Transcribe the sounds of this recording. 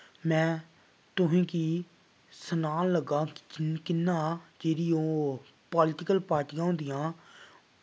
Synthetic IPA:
mɛ̃ː | t̪ʊɦẽːkiː | sənaːnləɡaːkɪnːãːd͡ʒeːɾiːoː | pɔːlɪʈɪkəlpaːɾʈijãːʊ̃nd̪ijãː

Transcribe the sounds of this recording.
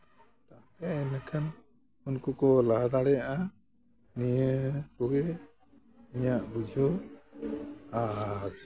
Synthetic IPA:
t̪apɛɛnakʰan | unkukɔlad̪aɽɛjaʔa | nijəpɔɡɛ | iɲaʔbud͡ʒʱɔ | aɾ

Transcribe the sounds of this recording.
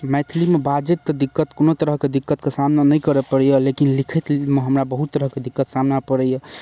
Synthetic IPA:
mɛt̪ʰilimebad͡ʒet̪ːɔd̪ikːət̪konot̪əɾəɦked̪ikːət̪kesamnanəjkəɾɛpəɾɛjəlekinlikʰɛt̪meɦəmɾabəɦut̪ːəɾəɦked̪ikːət̪samnapəɾɛjə

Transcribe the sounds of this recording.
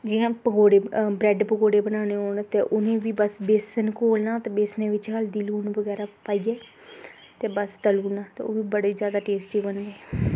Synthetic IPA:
d͡ʒiɦãːpəɡoːɽeːbɾɛːɖpəɡoːɽeːbənaːneːɦoːɳt̪eːʔʊnẽːʋiːbəsbeːsənkoːlnaːt̪eːbeːsnẽːʋɪt͡ʃkəld̪iːluːnʋəɡɛːɾaːpaːiːɛː | t̪eːbəst̪əluːnaːt̪eːoːʋiːbəɽeːzjaːd̪aːʈeːsʈiːbənd̪eː

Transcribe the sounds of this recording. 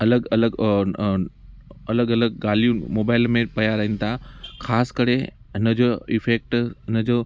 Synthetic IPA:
ɐləɡɐləɡ | ɐləɡɐləɡ̚ɡaːlijũmoːbaːɪlmẽpɐjaɾɐɦɪnɪ̆t̪ʰaxaːskɐɾe | ɦɪnəd͡ʑoɪfeːk̚ʈɦɪnəd͡ʑoː

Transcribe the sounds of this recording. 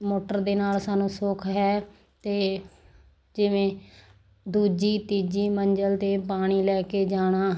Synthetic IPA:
moːʈəɾd̪eːnaːlsaːnũːsʊkʰɦɛː | t̪eː | d͡ʒɪʋẽː | d̪uːd͡ʒiːt̪iːd͡ʒiːməɲd͡ʒəlt̪eːpaːɽ̃iːlɛːkeːd͡ʒaːɽ̃aː

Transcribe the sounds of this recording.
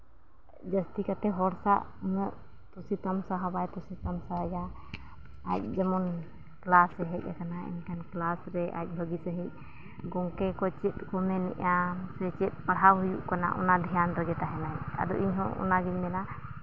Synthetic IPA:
d͡ʒəst̪ikat̪ɛɦɔɾsaʔunəʔ | t̪ɔsit̪amsaɦabajt̪ɔsit̪amsaja | ac̚d͡ʒamɔn | klasɛɦɛc̚ʲˀakanaɛ̰nkanklasɾɛʔa̰c̚ˀbʱəɡisəɦic̚ | ɡɔŋkɛkɔt͡ʃɛt̪̚kɔmɛnɛ̰ʔasɛt͡ʃɛt̪̚ˀpaɽ̤awɦujuʔkana̰ʔɔ̰nad̪ʱijand̪ɔd͡ʒɛt̪aɦɛnaja̰d̪ɔ̰ʔiɲɦɔ̃ʔɔ̰naɡiɲmɛna

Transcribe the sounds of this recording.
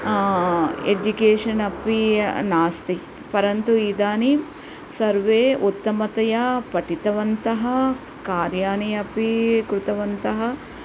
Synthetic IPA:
ed͡ʒukeːʂɐnɐpinaːst̪i | pɐɾɐnt̪uiːd̪aːni | sɐɾʋeːut̪ːɐmɐt̪ɐjɐpɐʈit̪ɐʋɐnt̪ɐɦɐ | kaːɾjaːnijɐpikɾut̪ɐʋɐnt̪ɐɦɐ

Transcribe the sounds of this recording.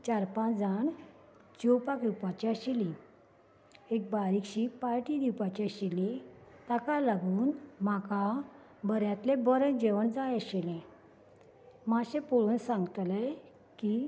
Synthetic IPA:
t͡ɕaɾpãd͡zaɳ | d͡ʑowpakɾupat͡ɕiəɕilĩ | ek̚baɾikɕipaɾʈid̪iwpat͡ɕiəɕilit̪akalaɡuːnmaka | bəɾjat̪lebəɾəd͡ʑeʋəɳd͡zajəɕilẽ | maɕẽpoɭuːnsãŋɡt̪le | ki

